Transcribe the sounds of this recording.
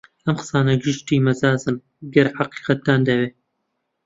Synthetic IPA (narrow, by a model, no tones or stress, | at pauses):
ʔɐmqɨ̥sɑːnɐɡɪʃt̪iːmɐzaːzɨn | ɡɐɾħɑqi̥ːqɐt̪̚d̪aːnd̪ɐweː